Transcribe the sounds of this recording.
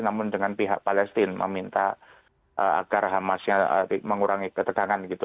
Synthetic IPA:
namʊndəŋanpiɦa̰ʔpalɛst̪ɪnmə̰mint̪a | ʔəa̰ɡ̥arɦamasɲaə̰iməŋuɾaŋikət̪əɡaŋanɡit̪u

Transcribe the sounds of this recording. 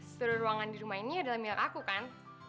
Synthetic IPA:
pəɾruaŋandiɾumainiadalahmilakakukan

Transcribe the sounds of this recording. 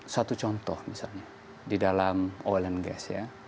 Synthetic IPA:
sat̪ut͡ʃɔnt̪ɔhmisalɲa | didalamɔlɛnɡɛ̰sja̰

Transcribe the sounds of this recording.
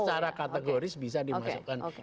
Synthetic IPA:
t͡ʃaɾakat̪əɡoɾɪsbis̬adimasukan

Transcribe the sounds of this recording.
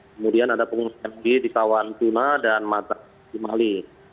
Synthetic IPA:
kəmudianadapəŋunakanlaɡidikawant̪unadanmat̪a | t̪imali

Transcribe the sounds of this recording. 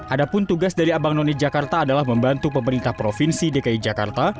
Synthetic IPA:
ʔadapʊnt̪uɡasdaɾiabaŋnonɛd͡ʒakart̪aːdalahməmbant̪upəməɾint̪ahpɾofinsidekaid͡ʒaka̰rt̪a

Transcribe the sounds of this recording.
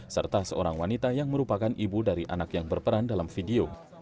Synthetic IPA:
sə̰rt̪asəoɾaŋwanit̪ajaŋməɾupakanʔibudaɾiʔa̰nakjaŋbərpəɾandalamfideo

